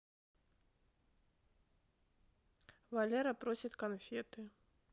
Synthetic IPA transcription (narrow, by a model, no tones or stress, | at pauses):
valʲɛɾɐpɾɔsʲit̪ʲkanfʲɛt̪ɨ